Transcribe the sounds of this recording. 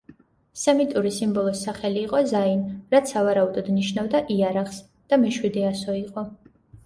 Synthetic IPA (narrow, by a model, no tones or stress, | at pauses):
sɛmit̪ʼuɾisimbɔlˠɔsːaχɛliːqʼɔzainɾat̪sʰavaɾaud̪ɔd̪niʃnavd̪aʔiaɾaχs | d̪̥amɛʃwid̪ɛasɔiqʼɔ